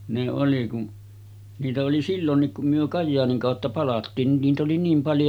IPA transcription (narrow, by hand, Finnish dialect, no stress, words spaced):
ne oli kun niːtæ oli silːonːik kum myø kɑjːɑːniŋ kɑˑotːɑ pɑlɑtːiːn nin niːt oli niːm pɑljo